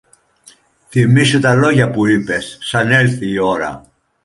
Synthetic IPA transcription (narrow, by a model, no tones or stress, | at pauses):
θimisut̪ɐlo̞ʝɐpuipe̞sːɐne̞lθiːo̞ɾɐ̰